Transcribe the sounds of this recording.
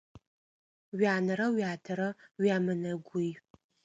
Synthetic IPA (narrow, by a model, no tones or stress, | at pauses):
ɥaːnɐɾɐwaːtʰɐɾɐɥaːmɨnɐɡʷʊj